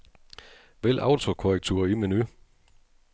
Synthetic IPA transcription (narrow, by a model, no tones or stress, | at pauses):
ʋel̰ʔɑ̈ʊt͡sʰo̝kʰoʁɛɡ̥̚t͡sʰuːɐiminy